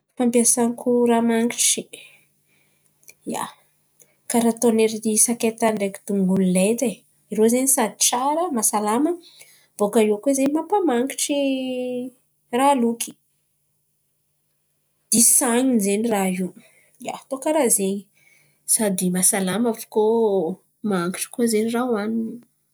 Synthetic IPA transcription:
fampiasaŋikuramaŋɡiʈ͡ʂi | ja̰ | kaɾat̪oneɾid̪isaket̪anɖ͡ʐeki̥d̪̥uŋɡunilet̪e | iɾozenisad̪i̥ʈ͡ʂaɾəmasalamə | b̥okaiwkezenimapamaŋɡiʈ͡ʂi | raluki̥ | d̪̥isaɲinzenirai | ja̰t̪okaɾazeɲi | sad̪imasalamavu̥ko | maaŋki̥ʈ͡ʂi̥kuozenirawanini

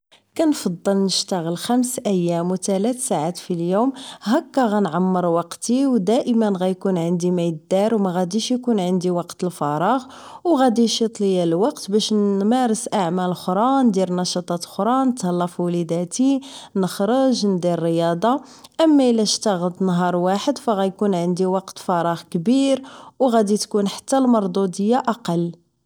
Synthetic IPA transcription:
kænfɑd̪ˤːəlnəʃt̪aɣəlxæmsʔæjːæmwt̪ælæt̪saʕat̪filjumɦækːæɣænʕamːəɾˤwɑqt̪iwd̪æʔəmənɣæjkunʕənd̪imæjəd̪ːɑɾwmæɣæd̪iʃjkunʕənd̪iwɑqt̪əlfɑɾˤɑɣ | wɣæd̪iʃjət̪ˤlijæləlwɑqt̪bæʃnmæɾəsʔaʕmæləlxɾˤɑnd̪iɾnɑʃɑt̪ˤɑt̪lxɾˤɑnət̪həlːɑfwlid̪æt̪inəxɾəʒnd̪iɾːəjɑd̪ˤɑʔəmːæəlːæʃt̪aɣəd̪nɦɑɾˤwaħəd̪fæɣæjkunʕənd̪iwɑqt̪fɑɾˤɑɣkbiɾwɣæd̪it̪kunħḁt̪ːælmɑɾˤd̪ˤud̪əjːaʔɑqɑl

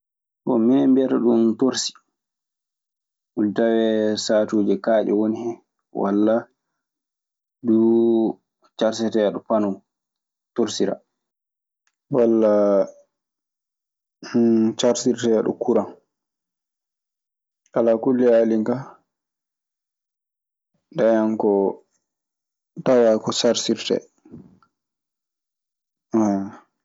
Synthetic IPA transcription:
kɔ̰minɛmbiɛtaɗuntoɾsi̥ | ʔudawɛsaːtuːd͡ʒɛkaːɗɛ̰wonihɛ | wa̰lːa | du | t͡ʃaɾsɛtɛjaɗɔpanɔw | toɾsiɾa̰ | walːa | t͡ʃaɾsiɾtɛaɗɔ̰kuɾan | alakulːialiŋka | dajaŋkɔ | tawakɔsaɾsiɾtɛ̰ | a

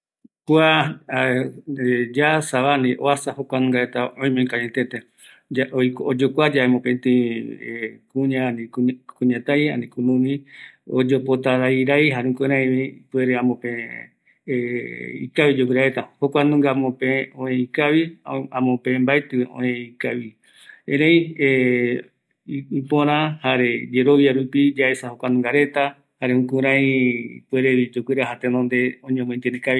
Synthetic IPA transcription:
kwa | d͡ʒasaβanĩʔoasahokʷanũŋɡaet̪aõj̃mẽŋkaɲet̪et̪e | d͡ʒaojkod͡ʒokʷad͡ʒaemõpent̪ĩ | kũɲãnĩkuɲãt̪aja̰nĩkũmũmĩod͡ʒopot̪aɾajɾajɦaɾũkeɾãĩβipueɾeãmõpe | ḭkaβid͡ʒokʷwɨɾaɾe̞t̪ahokʷanũŋɡamõpeõẽikaβiãmõpẽmbaet̪ɨõ̰ẽikaβi | ẽɾeĩe | ipõɾ̃ãhaɾe̞d͡ʒe̞ɾo̞βjaɾupid͡ʒaesahokʷanũŋɡaɾe̞t̪a | haɾeũkũɾ̃ãjpueɾeid͡ʒokʷɨɾaɦat̪enõnd̪e̞õɲõmõĩnt̪enekaβi

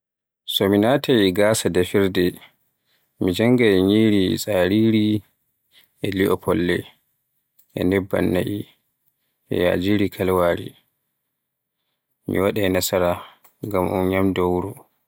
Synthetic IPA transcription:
sɔminaːtʰajiɡaːsadafiɾdɛ | mid͡ʒaŋɡajɲiːɾisʼaːɾiːɾi | ʔɛliʔɔpʰɔlːɛ | ʔɛ̰nɛbːa̰nːaʔi | ʔɛ̰ja̰ːd͡ʒiɾikʰalwaːɾḭ | mḭwaɗajnasaɾa | ŋɡamʔṵnɲamdɔwɾɔ

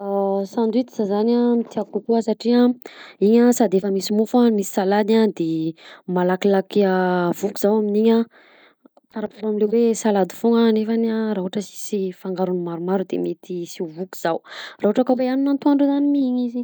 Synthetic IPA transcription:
asand̪it̪i̥z̥azanamit̪iakukuasaʈ͡ʂiaiɲasad̪efəmisimufamisi̥salad̪ad̪emalakilakiavuki̥z̥awaminiɲa | t̪aɾapuɾamilewesalad̪i̥foŋanefanaɾaɦuaʈ͡ʂəsi̥sifaŋɡaɾunumaɾumaɾud̪ḛmet̪ʰisivuku̥z̥awraɦoʈ͡ʂakaweaninant̪uaɳɖ͡ʐuzanimiiɲizi

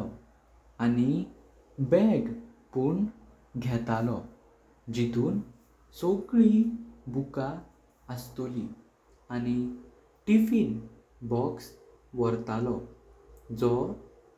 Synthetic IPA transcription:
ɔ | ani | bɛɡpuɳ | ɡʱɛt̪alɔ | d͡ʑit̪uːn | sokɭibuka | əst̪oli | añi | ʈifin | bɔks | ʋəɾt̪alɔ | d͡zɔ

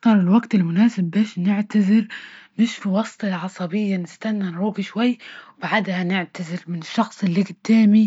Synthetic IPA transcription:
t̪ɑɾˤɪlwaɡt̪ɪlmʊnaːsɪbːeːʃnɪʕt̪azɪɾnɪʃfiwɑsˤt̪ˤɪlʕɑsˤɑbɪjːanɪst̪anːanɾuːɡiʃwajːwbaʕad̪hanɪʕt̪azɪɾmɪnɪʃːɑxsˤɪlːiɡɪd̪̥ːaːmi

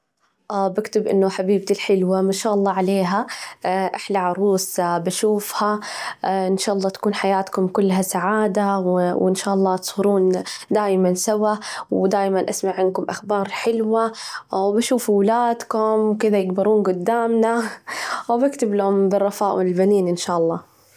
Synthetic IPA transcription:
ʔabɪkt̪ɪbʔɪ̰nːʊħabiːb̚t̪ilħɪlwamaʃaːʔɑlˤːɑːʕaleːɦaʔaħlaʕɑɾˤuːsbaʃuːfha | ʔɪnʃaːʔɑlˤːɑːt̪ḁkuːnħajaːt̪kʊmkʊlːɦasaʕaːd̪awwʔɪnʃaːʔɑlˤːɑːt̪sˤhʊɾuːnd̪aːjmansawawd̪aːjmanʔasmaʕːɪn̚kʊmʔaxbɑːɾˤħɪlwawbaʃuːfuwlaːd̪kʊmwkɪd̪ajɪɡbɑɾuːnɡʊd̪ːaːmna | wbɪkt̪ɪblʊmbɨrˤːɑfaːʔwɪɪlbaniːnʔɪnʃaːʔɑlˤːɑː

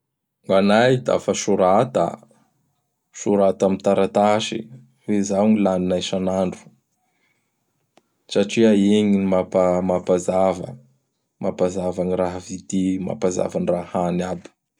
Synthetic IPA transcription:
ŋɡanajd̪a̰fəʃuɾat̪a̰ | ʃuɾat̪amint̪aɾat̪aʃḭ | fezawŋilaninajʃanaɳɖ͡ʐu̥ | saʈ͡ʂiaeŋinimapamapazavə̰ | mapazavaniraɦəvid̪ima̰paza̰vanirahanabi̥

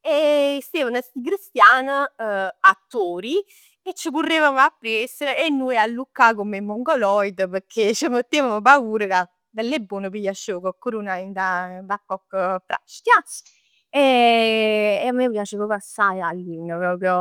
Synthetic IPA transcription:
est̪eːvənəst̪ikɾist̪jaːnəat̪ːoːɾi | et͡ʃːəkurːevamapːɾiɛsəɾenːujalːukːakomemːoŋɡolɔjd̪əpəɾkʰet͡ʃːəmət̪ːeːvaməp̬auːɾəka | d̪alːebːoːnəpijaʃːokɔkːuɾunaind̪avakːɔkːəpɾa̰ʃk̪ja | e | eamːepjaːt͡ʃəkɔpasːajalːinəpɾɔːpɾjɔ

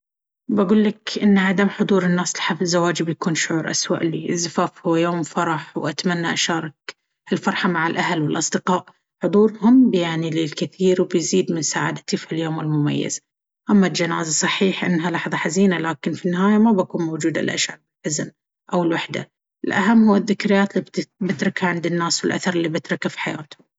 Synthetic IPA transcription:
baɡuːlːakʔɪnːʕad̪amħʊd̪ˤuːɾɪnːaːslħafzːawaːd͡ʒbjakuːnʃʊʕuːɾˤʔa̰swa̰ʔlḭːʔzːafaːfhʊwajoːmfɑɾˤɑħwʔat̪manːaʔaʃɑːɾˤɑk | alfɑɾˤħɑmaʕalʔaɦalwɪlʔɑsˤd̪ɨqɑːʔ | ħʊd̪ˤuːɾhʊmbjaʕnilɪlkɪθiːɾwbjziːd̪mɪnsa̰ːʕa̰d̪at̪ifiljoːmɪlmʊma̰jːa̰z̥ | ʔamːald͡ʒanaːzasˤɑħiːħʔɪ̰nːɦalɑːħðˤɑħaziːnalaːkɪnfinːɪɦaːjamabakuːnmowd͡ʒuːd̪a̰lʔa̰ʃʕabbɪlħʊzn | ʔawɪlwaħd̪a̰ | ʔɪlʔaɦamːhʊwːaðːɪkɾɪjːaːt̪lːib̪bɪt̪ɾɪkaʕɪnd̪ɪnːaːswɪlʔa̰θɑɾˤɪlːiːbɪt̪ɾɪkafi̥ħajaːt̪hʊm

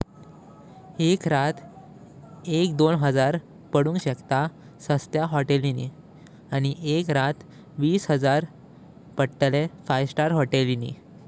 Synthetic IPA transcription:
ekɾat̪ʰ | ekd̪onɦəd͡zaɾ | pəɽũŋɡɕekt̪a | səst̪jaɦɔʈelinḭ | aɽ̃iʔekɾat̪ʰ | ʋiːsɦəd͡zaɾ | pəɽʈlefajsʈaɾɦɔʈelinḭ

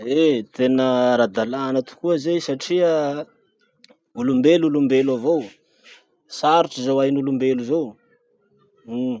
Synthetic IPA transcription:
et̪enəɾad̪alanat̪u̥kuəzejsaʈ͡ʂiə | ulumbelulumbelavow | saɾiʈ͡ʂizowajnulumbeluzow

